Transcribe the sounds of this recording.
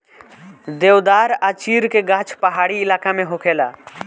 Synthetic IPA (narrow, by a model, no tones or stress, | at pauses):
d̪eːwd̪aːɾaːt͡ʃiːɾkeɡãːt͡ʃʰpəɦaːɽiɪlaːkamẽɦokʰeːla